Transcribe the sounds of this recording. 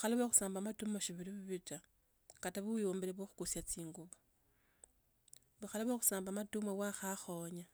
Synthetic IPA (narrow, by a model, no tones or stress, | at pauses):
βuxalaβexu̥saːmbamatumoʃiβiɾiβiβit͡ʃa | kataβujoːmbeɾeβwoxu̥kusjat͡siːŋɡuβa | βuxalaβexu̥saːmbamatumawaxaxoɲa